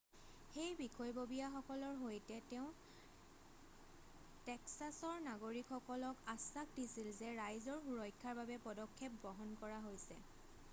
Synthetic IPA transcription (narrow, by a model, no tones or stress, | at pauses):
xejbixʰɔjbobijaxɔkɔlɔɹɦojtɛtɛʊ̃ | tɛksasɔɹnaɡoɹikʰxɔkɔlɔkasːakdisilzɛɹajzɔɹxuɹɔjkʰːaɹbabɛpɔdɔkʰːep̚ɡɔɦɔnkɔɹaɦojsɛ